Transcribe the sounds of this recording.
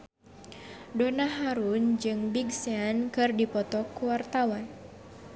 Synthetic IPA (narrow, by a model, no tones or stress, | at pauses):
donaɦaɾund͡ʒɨŋbiɡseankɨrdipɔt̪ɔkuwart̪awan